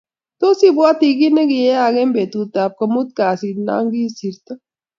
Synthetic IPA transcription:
t̪o˦si˦bwa˦t̪i˧ɡi˦ne˦ɡi˨je˦a˨ɡe˦mbe˨t̪u˨t̪a˨p̚kɐ˨mu˦t̪̚kaː˨si˨na̰˦ŋɡi˦si˨ɾt̪a˦

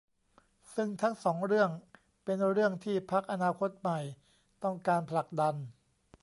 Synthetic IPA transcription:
sɯ˥˩ŋt̪ʰaː˦˥ŋsɔː˩˦ŋɾɯ˥˩əŋ | pe˧nɾɯ˥˩əŋt̪ʰiː˥˩pʰa˦˥k̚ʔa˧naː˧kʰo˦˥t̪̚ma˨˩j | t̪ɔ˥˩ŋkaː˧npʰla˨˩k̚da˧n

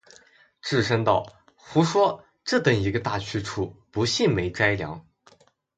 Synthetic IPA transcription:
ʈ͡ʂɻ̩˥˩ʂə˥ŋt̪ɑ˥˩ʊ | xu˧˥ʂwɔ˥ | ʈ͡ʂɤ˥˩t̪ə˥˩ŋi˧˥ɡə˧t̪a˥˩t͡ɕʰy˥ʈ͡ʂʰu˥˩pu˧˥ɕi˥˩nme˧˥ɪʈ͡ʂa˥ɪljɑ̰˧˥ŋ

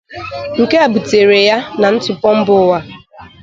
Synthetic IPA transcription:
ŋ̩˨ke˦a˨bu˨te˨ɾe˨ja˦na˨n̩˦tʊ˨pɔ˦m̩˦bʊ˦wa˦

